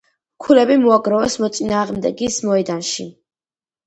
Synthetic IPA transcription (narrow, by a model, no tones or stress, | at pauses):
kʰulɛbimuaɡɾɔvɛsmɔt̪sʼinaːʁmd̪ɛɡismɔɛd̪anʃi